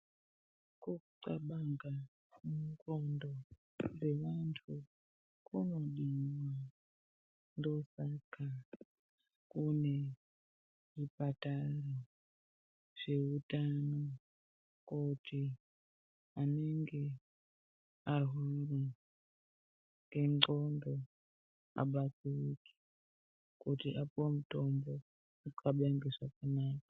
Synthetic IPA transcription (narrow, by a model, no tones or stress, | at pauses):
kuǀaɓaŋɡa | muŋkondo | d͡ze̞ʋantʰu | kʰunoɗimwa | ndo̞saka | kune̞ | ripataro | ʐ̥e̞utano | kutʰi | aneŋɡe | aɦuri | ŋɡʱeŋ͡ǃŋ͡ǃondʱo | a̰ɓat͡sirikʰi̥ | kutiʔapuwamutombo | uǃaɓaŋɡeʐakanaːkḁ